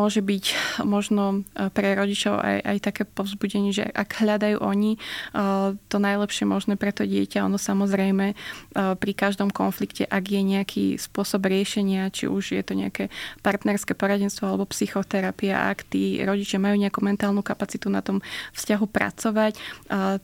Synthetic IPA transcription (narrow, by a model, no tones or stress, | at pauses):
mɔʒɛbicmɔʒnɔpɾɛɾɔɟit͡ʃɔʊa̰jʔa̰jt̪akɛːpɔʊzbuɟɛɲɪɛʒɛ̰ʔaɡɦʎad̪ajṵːʔɔɲi | t̪ɔnajlɛpʃɪɛmɔʒnɛːpɾɛt̪ɔɟɪɛ̰caɔ̰nɔsamɔzɾɛjmɛpɾikaʒd̪ɔmkɔ̰nflikcɛ̰ʔaɡjɛɲɛakʰḭspʊɔsɔbɾɪɛʃɛɲɪat͡ʃḭʔuʒjɛ̰t̪ɔɲɛakɛpaɾt̪nɛɾskɛːpɔɾaɟɛnst̪ʋɔalɛbɔpsixɔt̪ɛɾapia̰ʔa̰kt̪ḭːɾɔɟit͡ʃɪamajuːɲɛakumɛnt̪aːlnukapat͡sit̪una̰t̪ɔmfscaɦupɾa̰t͡sɔʋac